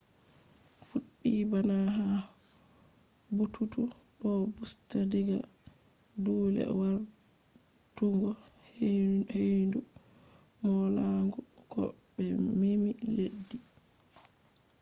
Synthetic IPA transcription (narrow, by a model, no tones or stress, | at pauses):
fuɗːibanaɦa | butʰutuɗɔbustadiɡa | duːlɛ̰waɾ | tuŋɡɔhhejndu | mɔlaŋɡɔkɔ̰bɛmemiledːi